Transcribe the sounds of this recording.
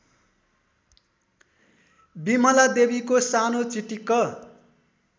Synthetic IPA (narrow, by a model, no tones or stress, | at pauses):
bimʌlad̪ebikosanot͡siʈikʌ